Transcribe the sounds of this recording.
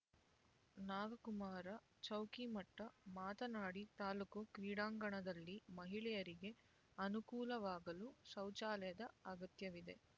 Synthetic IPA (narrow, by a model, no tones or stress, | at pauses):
naːɡɐkumaːɾɐ | t͡ʃɐwkimɐʈːɐmaːt̪ɐnaːɽit̪aːlukukɾiːɽaːŋɡɐɳɐd̪ɐlːimɐɦiɭɛjɐɾiɡe̞ | ɐnukuːlɐʋaːɡɐlusɐwt͡ʃaːlɐjɐd̪ɐɐɡɐt̪jɐʋid̪e̞̰